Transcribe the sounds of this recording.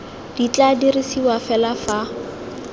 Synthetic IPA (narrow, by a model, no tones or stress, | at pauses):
d̥it͡ɬʼadirisiwafɛlafa